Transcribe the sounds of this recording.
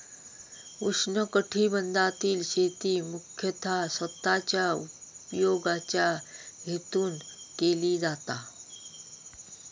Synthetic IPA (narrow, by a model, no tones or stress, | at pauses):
usnəkəʈʰiːbənd̪ʱat̪iːlɕet̪iːmukʰjət̪ʰasət̪ːat͡ɕjaupjoɡat͡ɕjaɡʱet̪uːnkeliːd͡zat̪a